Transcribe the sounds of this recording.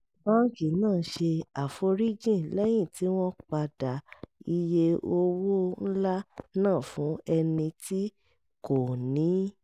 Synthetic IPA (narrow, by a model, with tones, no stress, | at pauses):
bã˦ki˨nãː˦˨˦ʃe˧a˨fo˧ɾi˦d͡ʒĩ˦˨lɛ˦j̃ĩ˦˨tʰi˨˦w̃ɔ̃˦k͡pa˧da˨i˧je˧o˧wo˦n̩˦la˦nãː˦˨fũ˨˦ɛ˧nĩ˧tʰi˦ | ko˨nĩ˨˦